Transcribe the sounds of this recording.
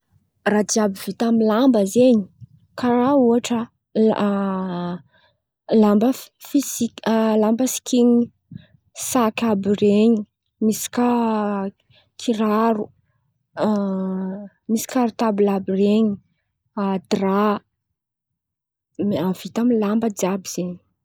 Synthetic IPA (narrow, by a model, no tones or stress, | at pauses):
rat͡siabivit̪amilambəzeɲi̥ | kaɾauaʈ͡ʂə | lambə | fiziklambəsi̥kiɲi | sakʲabireɲi | misi̥ka | kʰiɾaɾu̥ | misi̥kʲaɾut̪abilabireɲi | d̪ra | av̥it̪amilambəd͡zabiz̥eɲi̥